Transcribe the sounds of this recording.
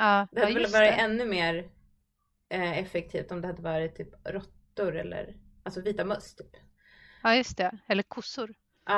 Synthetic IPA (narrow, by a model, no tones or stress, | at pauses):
ɑːd̪ɛhaɛlvɑːɾɪt̪ɛnːɵmeːɾ | ɛfɛk̚t̪ʰiːft̪ɔmd̪ɛhad̪ːəvɑːɾɪt̪ʰːyːpɾɔt̪ːʊɾɛ̰lːə̰ɾʔalsɔviːt̪amɵst̪ʰy̥ːp | ɑːjɵst̪ɛɛlːəɾkʰʊsʊɾ | ɑː